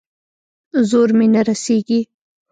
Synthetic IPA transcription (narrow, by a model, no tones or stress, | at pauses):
zoɾmenaɾaseɡi